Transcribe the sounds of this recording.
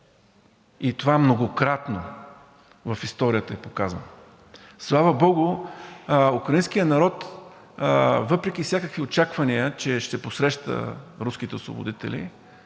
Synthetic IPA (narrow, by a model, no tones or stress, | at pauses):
it̪ovaɛmnoɡokɾat̪no | vɐfist̪ɔɾijət̪əɛpokazvə̰n | slˠavəbɔɡʊ | ukɾɐinskijənɐɾɔt̪ | vɤpɾɛkʲifsʲjakəkviot͡ʃakvɐniət͡ʃɛʃt̪ɛposɾɛʃt̪ə̰ɾuskit̪ɛosvo̰bo̰d̪it̪ɛ̰lḭ